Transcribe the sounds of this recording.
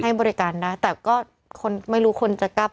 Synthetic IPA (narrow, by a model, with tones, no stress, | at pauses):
a˥˩jbɔː˧ɾi˦˥kaː˨˩nda˥˩jt̪ɛː˨˩kɔː˥˩ | kʰo˧nma˥˩jɾuː˦˥kʰo˧nt͡ɕa˨ka˥˩p̚